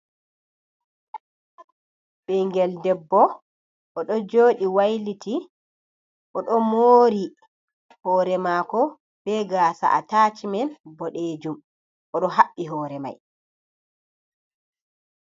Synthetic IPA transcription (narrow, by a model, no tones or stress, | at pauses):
ɓɛŋɡɛldɛbːɔ | ʔɔɗɔd͡ʒoːɗiwajliti | ʔɔɗɔmoːɾi | hɔːɾɛmaːkɔ | b̥ɛɡaːsa̰ʔatat͡ʃimɛnbɔɗeːd͡ʒum | ʔɔɗɔɦaɓːiɦɔːɾɛma̰j